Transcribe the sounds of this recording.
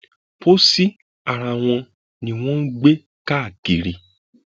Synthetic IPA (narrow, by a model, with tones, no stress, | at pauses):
po˦si˦ | a˨ɾa˨w̃ɔ̃˧ | nĩ˧w̃ɔ̃˦n̩˦ɡ͡be˦ | ka˦˨ɡ̥i˨ɾi˨